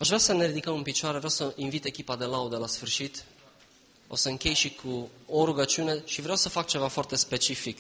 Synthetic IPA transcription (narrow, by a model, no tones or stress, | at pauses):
aʃvɾeasəneɾid̪ikəmɨnpit͡ʃoaɾevɾawsəʔinvit̪e̞kʲipad̪e̞laud̪əlasfɨrʃit̪ | o̞̰səɨŋkʲe̞jʃikʰuoɾuɡət͡ʃiune̞ʃivɾeawsəfak̚t͡ʃe̞vafoart̪e̞spe̞t͡ʃifik